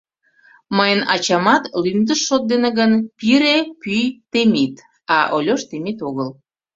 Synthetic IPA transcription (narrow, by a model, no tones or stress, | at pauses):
məjənɑ̰t͡ɕɑmɑt̪lymd̪əʃːot̪̚d̪eneɣənpiɾepyjt̪emit̪ | ɑʔolʲoʃt̪emit̪oɣəl